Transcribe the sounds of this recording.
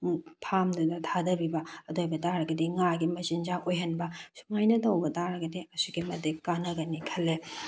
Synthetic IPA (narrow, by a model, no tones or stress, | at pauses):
pʰamdudɐtʰadɐbibɐɐdojbɐtaɾɐɡɐdiŋaɡimɐzind͡ʒaʔojɦɐnbɐsuŋajnɐtɐwbɐtaɾɐɡɐdeɐsuɡimɐdekːanɐɡɐnikʰɐlːe